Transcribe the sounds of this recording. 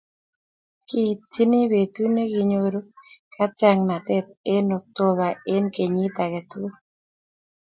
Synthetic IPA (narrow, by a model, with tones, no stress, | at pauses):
ki˦ti˦ni˦be˨t̪u˦ne˦ɡi˨ɲo˦ɾo˦kʰa˦t͡ʃa˦ŋna˨t̪ɛ˦t̪e˦no˨k̚t̪o˦βa˨ʔe˦nke˨ɲi˦t̪a˨ke˨t̪u˦